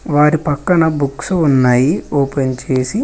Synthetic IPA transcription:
ʋaːɾipɐkːɐnɐbuksunːaːjioːpent͡ʃe̞ːsi

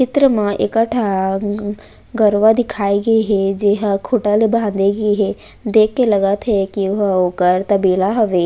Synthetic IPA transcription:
t͡ʃɪt̪ɾəmãʔekəʈʰa | ɡɐɾʋad̪ɪkʰaːiɡɐiɦɛd͡ʒeɦəkʰʊʈəlebʱãːnd̪eɡiɦɛ | d̪eːkʰːelɐɡət̪ɦɛkiʊɦoːkəɾt̪ɐbiːlaɦɐʋeː

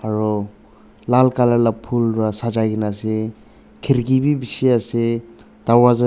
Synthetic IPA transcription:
aɹɔ | lalkalalapʰulɹasad͡ʒaɡinase | kʰiɾɡibibisiase | d̥awaza

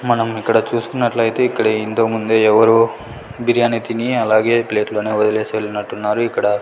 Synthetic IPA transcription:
mɐnɐmikːɐɽɐt͡ʃuːsu̥kunːɐʈlɐjit̪e̞ːikːɐɽeint̪o̞ːmund̪e̞ːɛʋɐɾu | biɾjaːnit̪iniɐlaːɡe̞ːple̞ːʈlo̞ːne̞ːɔd̪ɐleːsʋelɐnɐʈːunːaːɾuikːɐɽɐ

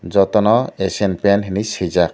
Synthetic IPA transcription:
zɔt̪ɔnɔesenpɛnɦenisizak̚

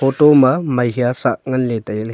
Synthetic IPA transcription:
oʈomɐmɐɦijasa̰k̚ŋɐnlet̪ɐjl

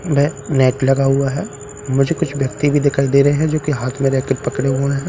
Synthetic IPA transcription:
bɛːnɛːʈlɐɡaɦuaɦɛː | mʊd͡ʒʱekʊt͡ʃʰʋjɐk̚t̪ibʱid̪ɪkʰaːid̪eːɾɐɦeɦɛ̃d͡ʒoːkiɦaːt̪ʰmẽɾɛɦkeɾpɐkɽeɦoeɦɛ̃ː

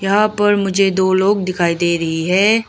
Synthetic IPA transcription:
jɐɦãpɐɾmʊd͡ʒʱed̪oːloːɡ̚d̪ɪkʰaːid̪eːɾɐɦiɦɛː

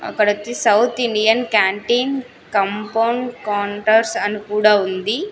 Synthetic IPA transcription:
ɐ̰kːɐɽɐt̪ːisɐwt̪ʰiɳɖijɐnkaːɳʈiːn | kɐmpɐwɳɖkaːɳʈɐɾsɐnikuːɽaːund̪i

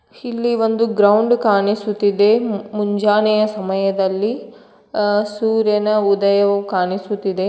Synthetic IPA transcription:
ilːiʋond̪uɡɾɐwɳɖkaːɳisut̪ːid̪e̞muɲd͡ʒaːnɛjɐsɐmɐjɐd̪ɐlːi | suːɾjɐnɐud̪ɐjɐʋukaːnisut̪ːid̪e̞

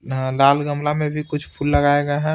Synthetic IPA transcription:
laːlɡəmlamẽbʱikʊt͡ʃʰpʰuːlːəɡaːeɡaɦɛ̃

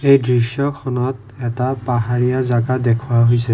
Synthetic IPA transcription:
ejdɹisjɔkʰɔnɔt | ɛtapaɦaɹijazaɡadɛkʰuaɦojsɛ

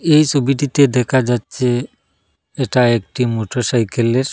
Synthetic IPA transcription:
ejt͡ʃʰobiʈit̪ed̪ɛkʰad͡ʑatːɕʰe | eʈaekʈimoʈoʃajkeleɾ

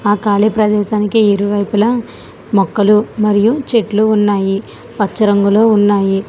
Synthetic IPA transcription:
aːkaːlipɾɐd̪ɛːʃaːnikiiɾuʋɐjpulɐ | mɔkːɐlumɐɾijut͡ʃeʈluːnːaːji | pɐt͡ʃːɐɾɐŋɡuloːunːaːji

